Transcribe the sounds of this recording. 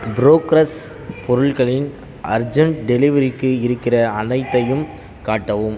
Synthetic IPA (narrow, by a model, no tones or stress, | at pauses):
bɪɾoːkɾɐs | pɔɾɯɭɣɐɭɪn | ʔɐ̰ɾd͡ʒɐɳɖɛlɪʋɐɾɪkːɯɪɾɯkːɪrɐɐnɐɪt̪ːɐjɯm | kaːʈːɐʋɯm